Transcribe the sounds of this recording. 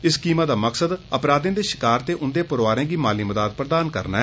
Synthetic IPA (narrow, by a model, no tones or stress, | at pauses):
ɪskiːmaːd̪aːməksəd̪əpɾaːd̪ẽːd̪eːʃɪ̥kaːɾt̪eːʔʊnd̪eːpəɾoaːɾẽːɡiːmaːliːməd̪aːd̪̚pɾəd̪aːnkə̰ɾnaːɛ